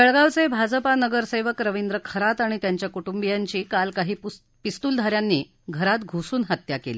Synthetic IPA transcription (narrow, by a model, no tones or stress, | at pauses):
ʋeɭɡaʋt͡sebʱad͡zpanəɡəɾseʋəkɾəʋind̪ɾəkʰəɾat̪aɽ̃it̪jaɲt͡ɕjakuʈumbijaɲt͡ɕiːkalkaɦiː | pist̪uːld̪ʱaɾjanːiː | ɡʱəɾat̪ɡʱusuːnɦət̪jakelḭ